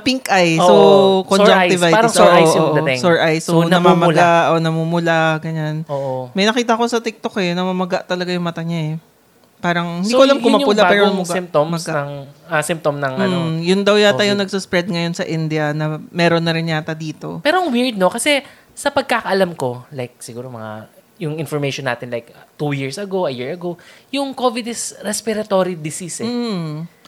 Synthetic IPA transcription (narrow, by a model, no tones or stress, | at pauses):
piŋkʔajsokond͡ʒaj̪ɪvajɐsoʔajoːʔoɛsoɹʔajsonɐmamɐlaʔonɐmumʊlaɡɐɲanoːʔomɐjnɐkiːt̪̬ɐkosɐt̪ɪk̚t̪okɛjnɐmɐmɐɡaʔt̪ɐlɐɡajʊŋmɐt̪aɲaɛ | paːɾɐŋhɪd̪ikoɐlamkomɐpʊlapɛːɾoɐmʊɡmt̪ommɐɡaɐŋasɪmp̚t̪omnɐŋɐjʊnd̪ɐwjat̪ɐjoŋnɐɡ̚sɐspɾɛd̪̚ŋɐjo̞nsɐʔɪnd̪ɪɐnɐmɛːɾonːɐɾɪnjaːt̪ɐd̪iːt̪o̞̰pɛːɾoɐŋwiɹd̪̚no̞kɐsɛ | sɐpɐɡ̚kakɐʔɐlamko̞lajk̚sɪɡuːɾomɐŋa̰ | jʊŋɪnfoɹmejʃonːa̰ːt̪ɪnlajkt̪ujiɹsɐɡowʔɐjiɹɐɡojʊŋkovɪd̪ɪsɾɛspɪɾɐt̪oːɾid̪ɪsisɛ